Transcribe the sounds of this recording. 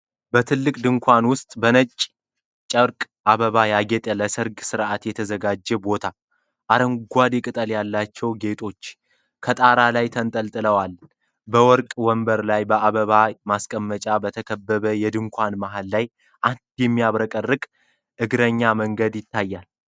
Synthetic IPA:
bət̪ʰɨlːɨkʼd̪ɨŋkʷʰanwʊst̪ʼbənət͡ʃʼ | t͡ʃʼəɾkʼ | ʔaβəβajaɡɛt̪ʼələsɨɾɡsɨɾʔat̪jɛt̪ʰəzəɡad͡ʒːɛbo̞t̪ʰa | ʔaɾəŋɡʷad̪ekʼɨt̪ʼəljalːat͡ʃːɛwɡe̞t̪ʰo̞t͡ʃː | kʰət̪ʼaɾalajt̪ʰənt̪ʼəlt̪ʼɨləwal | bəwɔɾkʼwɔmbəɾlajbəʔaβəβamaskʼəmːət͡ʃʼabət̪ʰəkʰəbːəβəjɛd̪ɨŋkʷanmaɦalːaj | ʔand̪jɛmːijaβɾəkʼərːɨkʼ | ʔɨɡɾəɲːaməŋɡəd̪jɪt̪ʰːajːal

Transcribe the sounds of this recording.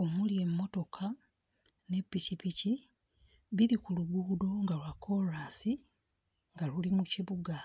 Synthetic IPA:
o̞mulje̞mːo̞to̞kʰa | ne̞pːicipici | βiɾikuluɡudo̞ŋɡalwakʰːo̞ɾaːsi | ŋɡalulimuciβuɡa

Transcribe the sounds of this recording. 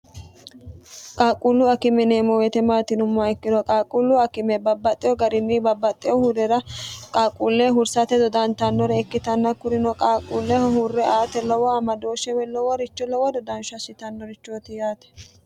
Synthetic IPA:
kʼaːkʼulːʊɐkɪmɛneːmɔwɛt̪ɛmaːt̪ɪnʊmːaɛkːɪd̪ɔkʼaːkʼulːʊɐkɪmɛbɐbːɐt̪ʼːɪjɔɡɐɾɪnːɪbɐbːɐt̪ʼːɪjɔhuɾɛɾɐkʼaːkʼuːlːɛɦʊɾsɐt̪ɛd̪ɔd̪ɐnt̪ɐnːɔɾɛːkːɪt̪ɐnːɐkʊɾɪnɔkʼaːkʼuːlːɛhɔhurːɛaːt̪ɛlɔwɔɐmɐd̪o̞ːʃɛwɛlɔwɔɾɪt͡ʃːɔlɔwɔd̪ɔd̪ɐnʃɐsɪt̪ɐnːɔɾɪt͡ʃːoːt̪ɪjaːt̪ɛ̥

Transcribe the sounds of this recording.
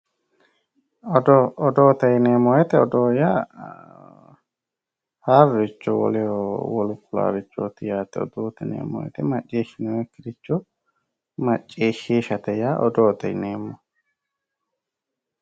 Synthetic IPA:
ɔd̪ɔɔd̪oːt̪ɐjneːmːɔjɛt̪ɛɔd̪oːjaː | haːrɪt͡ʃːɔwɔ̰lɛwɔlʊkːʊla̰ːɾɪt͡ʃːoːt̪ɪjaːt̪ɛɔ̰d̪oːt̪ɪnḛːmːɔ̰jɛ̰t̪ɛmɐt͡ʃʼːeːʃɪnɛwɛkːɪɾɪt͡ʃːɔ | mɐt͡ʃʼːeːʃːeːʃɐt̪ɛjaːʔɔd̪oːt̪ɐjneːmːɔ

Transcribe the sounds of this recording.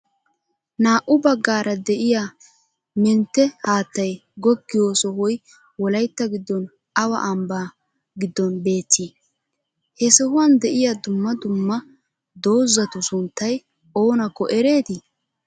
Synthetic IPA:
naːʔʊbɐɡːaːɾɐd̪ɛʔɪja | mɛnt̪ːɛhaːt̪ːɐjɡɔɡːɪjoːsɔhɔj | wɔlɐjt̪ːɐɡɪd̪ːɔn | ɐwɐ̰ʔɐmbaː | ɡɪd̪ːɔnbe̞ːt̪ːi | hɛsɛhʊwɐnd̪ɛʔɪjad̪ʊmːɐd̪ʊmːɐ | d̪o̞ːzːɐt̪ʊsʊnt̪ːɐj | o̞ːnɐkːɔʔɛɾe̞ːt̪ɪ

